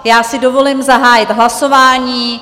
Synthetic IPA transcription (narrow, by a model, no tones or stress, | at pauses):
jaːsɪdo̞vo̞limzaɦaːjɪt̪ɦlaso̞vaːɲiː